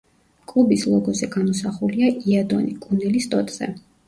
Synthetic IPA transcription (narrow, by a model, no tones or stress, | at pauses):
kʼlˠubislˠɔɡɔzɛɡamɔsaχuliaʔiad̪ɔ̰nikʼunɛlist̪ʼɔt̪ʼz̥ɛ̰